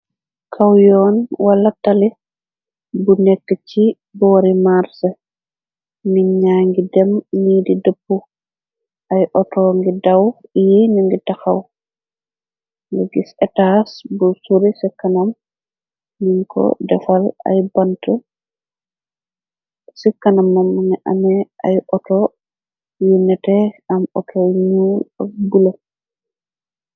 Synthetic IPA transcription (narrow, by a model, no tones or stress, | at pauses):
kʰawjɔːnwalːatali | bunɛkːɛt͡ʃi | bɔːɾimaɾsɛ | minɲaːŋɡidɛmniːdidəpːu | ʔajʔɔtɔːŋɡidawjinuŋɡitaxaw | ŋɡɛɡisɛtasbusuɾisɛkːanam | niŋkɔ̰dɛfala̰jbanta | sɛkːanamːamːaŋɛʔa̰mɛʔajʔɔtɔ | jɛnɛtɛamɔ̰tʰɔɲuːlabula